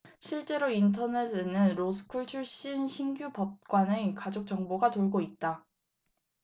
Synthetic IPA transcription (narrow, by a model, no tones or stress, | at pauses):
ɕʰiɭt͡ɕ͈e̞ɾointʰʌnedenɯnɾosʰɯ̥kʰuɭt͡ɕʰuɭɕ͈inɕʰiŋɡjupʌp̚k͈wane̞kad͡ʑok̚t͡ɕ͈ʌŋboɡatoɭɡoit̚t͈a